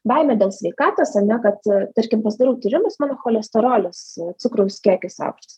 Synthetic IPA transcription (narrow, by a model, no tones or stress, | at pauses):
bɐɪmʲɛdʲeːlˠsʲʋʲɛɪkɑːt̪oːsɐnʲɛkɐt̪t̪ɐɾʲkʲɪmpɐsʲd̪ɐɾʲɛʊt̪ʊɾʲɪmʊsmɑːnoːxoːlʲɛst̪oɾoːlʲɛst̪sʊkɾɐʊsʲkʲiɛkʲɪsɐ̰ʊkʃʲtʲɪs